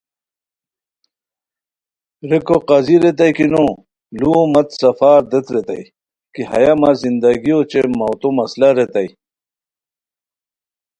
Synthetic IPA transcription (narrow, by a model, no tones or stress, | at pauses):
ɾekoqɐziɾet̪̬ɐjkino | luomɐt̪sɐfaːɾd̪et̪ɾet̪ɐ̰j | kiɦɐ̰jamazind̪ɐɡijot͡ɕemɐwt̪omɐslaɾet̪ɐj